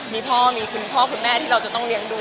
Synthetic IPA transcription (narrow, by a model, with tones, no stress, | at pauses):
miː˧pʰɔː˥˩miː˧kʰu˧npʰɔː˥˩kʰu˧nmɛː˥˩t̪ʰiː˥˩ɾa˧wt͡ɕa˨˩t̪ɔ˥˩ŋli˧əŋduː˧